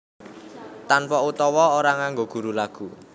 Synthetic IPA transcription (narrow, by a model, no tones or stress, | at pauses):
t̪anpɔut̪ɔwɔoɾaŋaŋɡoɡ̥ṳɾulaɡ̥ṳ